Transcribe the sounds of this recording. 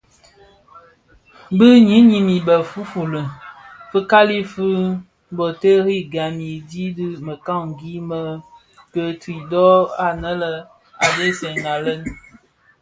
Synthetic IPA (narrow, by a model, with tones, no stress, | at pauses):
bɨ˦ɲi˨˦ɲi˦mi˨bə˨fu˦fu˨lə˨ | fə˦ka˦li˦fɨ˦ | bɔ˨tə˦ɾi˦ɡa˨mi˨di˦dɨ˦mə˨ka˦˨ŋ˨ɡi˦mə˦ | kə˨twi˨dɔ˦a˨nə˦lə˦ | a˨de˦sɛ˨ŋa˨lə˦n